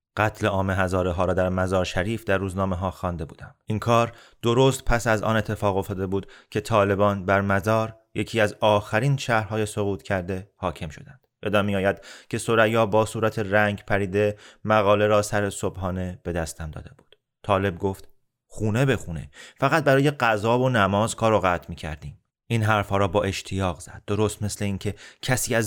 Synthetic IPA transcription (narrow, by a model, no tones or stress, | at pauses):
ɢ̥æt̪ʰleɒːmeɦæzɒːɾeɦɒːɾɒːd̪æɾmæzɒːɾʃæɾiːfd̪æɾːuːznɒːmeɦɒːxɒːnd̪e̞buːd̪æmʔinkʰɒːɾ | d̪̥oɾoːst̪̚pʰæsæzɒ̰ne̞t̪ʰːefɒːɣo̞ft̪ɒːd̪e̞buːd̪̥cʰet̪ʰɒːle̞bɒːnbæɾmæzɒːɾ | je̞cʰiːæzɒːxæɾiːnʃæhɾɦɒːje̞so̞ɣuːt̪cʰæɾd̪e̞hɒːcʰe̞mʃo̞̰d̪ænd̪̥be̞d̪ɒːmijɒːjæd̪̥cʲʰe̞so̞ɾæjɒːbɒːsuːɾæt̪ʰe̞ɾæŋɟpʰæɾiːd̪e̞mæɣɒːle̞ɾɒːsæɾe̞sobɦɒːne̞b̥e̞d̪æst̪ʰæmd̪ɒ̰ːd̪e̞b̥u̥ːd̪̥ | t̪ʰɒːle̞b̚ɡo̞ft̪ | xuːne̞be̞xuːne̞̰fæɣæt̪̚bæɾɒːje̞ɢæzɒːvo̞næmɒːzkʰɒːɾoɣæt̪ʰmiːcʰæ̰ɾd̪iːm | inɦæɾfhɒːɾɒːbɒːʔe̞ʃt̪ʰijɒːɣz̥æ̰d̪̥̚d̪ːo̞ɾoːst̪me̞sle̞iːŋcʰe̞cʰæsiːæz